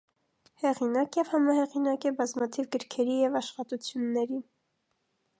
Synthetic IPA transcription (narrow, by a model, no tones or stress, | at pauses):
hɛʁinɑkjɛvhɑmɑhɛʁinɑkɛbɑzmɑt̪ʰivɡəɾkʰɛɾijɛvɑʃχɑt̪ut͡sʰjunːɛɾi